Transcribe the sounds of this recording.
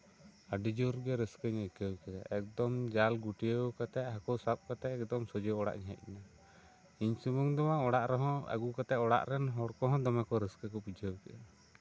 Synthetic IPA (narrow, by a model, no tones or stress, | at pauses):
aɖid͡ʒuɾɡɛɾəskəɲakəwkɛɗa̰ʔɛk̚d̪ɔmd͡ʒalɡuʈijəwkat̪ɛɦakɔwsap̚kat̪ɛɛk̚d̪ɔmsɔd͡ʒɔɔɽa̰ʔɲaɦɛ̰t̪̚ˀːɛna | iɲsumuŋd̪ɔmaɔɽaʔɾɔɦɔ̃a̰ɡukat̪ɛʔɔɽa̰ʔɾɛnɦɔɽkɔɦɔ̃d̪ɔmakɔɾəskəkɔpid͡ʒʱəwkɛʔa